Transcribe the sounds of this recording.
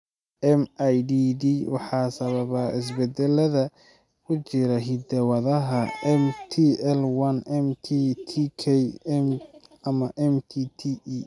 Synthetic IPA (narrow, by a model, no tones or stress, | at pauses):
ʔɛmʔajdiːd̪iwɑ̰ħɑːsɐβɐβɐɪs̬bɛd̪ɛlɐðɐ | kʰʊt͡ʃɪɾɐɦɪd̪ɛwɐðɐɦɐɛmt̪ʰiɛlwɐnɛmt̪ʰit̪ʰikʰɛmɐmɐʔɛmt̪ʰit̪ʰii